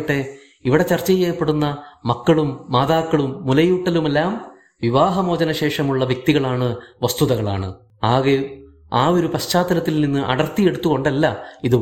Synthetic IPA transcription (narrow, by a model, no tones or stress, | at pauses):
ʈːe̞ | iʋiɽe̞t͡ɕɐrt͡ɕːɐjeːɐpːe̞ɽunːɐmɐkːɐɭumːaːðaːkːɐɭumːulɐjuːʈːɐlumelːaːm | ʋiʋaːɦɐmo̞ːd͡ʑɐnɐɕe̞ːʂɐmuɭːɐʋjɐk̚t̪iɣɐɭaːɳɨʋɐst̪uðɐɣɐɭa̰ːɳɨ̰ | aːɣe | aːo̞ɾupɐɕt͡ɕaːt̪ːɐnɐt̪ːilninːɨʔɐ̰ɽɐrt̪ːije̞ɽut̪ːuɣo̞ɳɖelːɐiðɨ